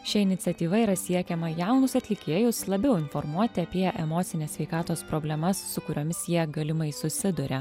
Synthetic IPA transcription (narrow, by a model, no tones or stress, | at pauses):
ʃʲɪɪnʲɪt̪sʲɛt̪ʲiːʋɐiːɾɐsʲiɛkʲɛmɐjɛˑʊnʊsɐt̪ʲlʲɪkʲeːjʊslˠɐbʲɛʊɪnfɔɾmuɔt̪ʲɪɐpʲiɛʔɛmoːt̪sʲɪnʲeːsʲʋʲɛɪkɑːt̪oːspɾoːbʲlʲɛmɐsːʊkʊɾʲoːmʲɪsjiɛɡɐlʲɪmɐɪsʊsʲɪd̪ʊɾʲe